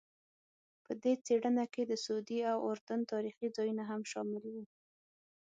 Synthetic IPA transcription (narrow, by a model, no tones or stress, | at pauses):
pəd̪et͡seɽənaked̪əsd̪iawoɾd̪ant̪ɑɾixid͡zɑjunaɦamʃɑmɪlwi